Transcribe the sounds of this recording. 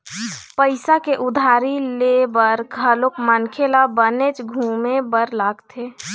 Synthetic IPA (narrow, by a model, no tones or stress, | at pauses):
pəɪsakeʔʊd̪ʱaːɾilebəɾkʰəlokmənkʰelabənet͡ʃɡʱuːmebəɾlaːɡt̪ʰe